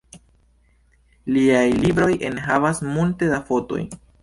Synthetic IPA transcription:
liajlibɾo̞jʔe̞nɦavasmulte̞dafo̞to̞̰j

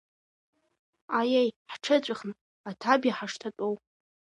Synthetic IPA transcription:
ajejħʈ͡ʂʰɨt͡ɕʷʼɪχn | atʰabjaħaʂtʰatʼow

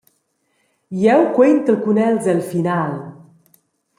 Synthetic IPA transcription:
jɛwkwent̪əkunɛlzəlfinal

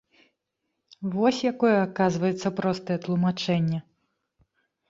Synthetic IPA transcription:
vɔsʲjakɔjɛakazvɐjɛt̪sːɐpɾɔst̪ɐjɛt̪lˠumat͡ʂɛnʲːɐ

